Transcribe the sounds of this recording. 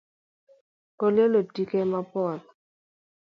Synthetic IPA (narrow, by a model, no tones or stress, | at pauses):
kolelotikemapɔt